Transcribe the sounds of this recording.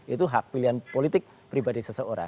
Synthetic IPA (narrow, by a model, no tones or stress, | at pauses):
ʔit̪uɦak̚piliɦanpolit̪ɪk̚ | pɾibadisəsəoɾa̰ŋ